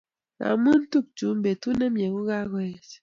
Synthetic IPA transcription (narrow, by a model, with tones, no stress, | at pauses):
a̰˨mɨ˦n̩˦tu˦˨k̚t͡ʃu˨˦m˦be˨tu˦nɛ˦mje˨ɡu˦ɣa˦ɣɔ˨ɛ˨s